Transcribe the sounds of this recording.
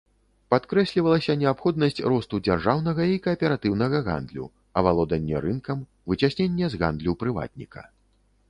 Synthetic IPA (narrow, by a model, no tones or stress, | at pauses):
pat̪kɾɛsʲlʲivɐlˠɐsʲɐnʲɛapxɔd̪̚nɐsʲt͡sʲrɔst̪ud͡zʲarʐawn̪ɐɣɐikɐːpʲɛɾat̪ɨwnɐɣɐɣa̰nd̪lʲṵ | ɐvalˠɔd̪ɐnʲːɛ̰ɾɨnkɐm | vɨt͡sʲasʲnʲenʲːɛzɣa̰nd̪lʲupɾɨva̰t̪̚ʲnʲḭkʰɐ̰